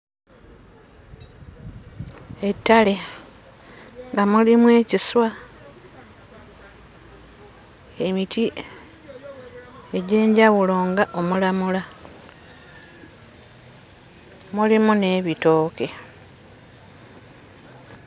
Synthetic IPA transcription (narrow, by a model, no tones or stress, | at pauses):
e̞tːale̞ | ŋɡamulimwe̞ːciswa | e̞miti | eɟe̞ːɲɟawulo̞ːŋɡaʔo̞mulamula | mulimune̞ːβito̞ːke̞